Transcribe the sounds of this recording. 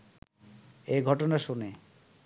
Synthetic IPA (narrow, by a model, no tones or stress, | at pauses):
eɡʱɔʈonaʃone